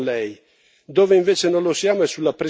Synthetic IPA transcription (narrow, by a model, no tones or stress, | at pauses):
lɛj | d̪oːveiɱveːt͡ʃenonlosjaːmoɛsulːapɾe